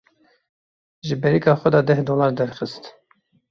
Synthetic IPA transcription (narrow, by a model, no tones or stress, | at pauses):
ʒɨbɛɾikɑːxʷɛd̪ɑːd̪ɛhd̪oːlɑːɾd̪ɛɾxɨst̪